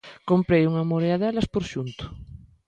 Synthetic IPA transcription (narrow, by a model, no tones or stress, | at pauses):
kompɾejuŋamoɾeaðɛlɐspoɾʃunt̪ʊ̥